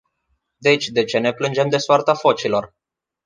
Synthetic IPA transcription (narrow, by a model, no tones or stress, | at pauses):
d̪e̞t͡ʃʲd̪e̞t͡ʃe̞ne̞plɨnd͡ʒe̞md̪e̞soart̪afo̞t͡ʃilo̞r